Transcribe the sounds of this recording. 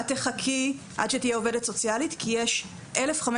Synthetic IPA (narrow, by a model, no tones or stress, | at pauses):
ateχakʰi | ʔa̰d̪ʃet̪ijeovedetsot͡sjalitkʰijeʃ | ʔelefχam